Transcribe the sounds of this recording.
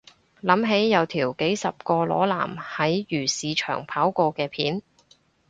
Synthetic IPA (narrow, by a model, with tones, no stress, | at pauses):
lɐ˨˥mɦe˨˥jːɐ˨˧wt̪ʰiː˨˩wke˨˥jsɐ˨p̚kɔː˧lɔ̰ː˨˥la̰ː˨˩mhɐ˨˥jjyː˨˩siː˨˧t͡ʃʰœ̰ː˨˩ŋpʰaː˨˥wkɔː˧kɛː˧pʰḭː˨˥n